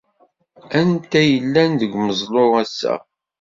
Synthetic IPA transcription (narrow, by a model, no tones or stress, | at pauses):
ænt̪æjəlːænðəɡməzˤloɾæsːæ̰